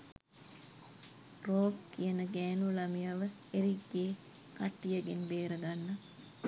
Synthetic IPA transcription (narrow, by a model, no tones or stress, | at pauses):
roːkkːijənəɡæːnulɐmijaʋə | eɾiɡːeː | kaʈːijɐɡenbeːɾəɡanːə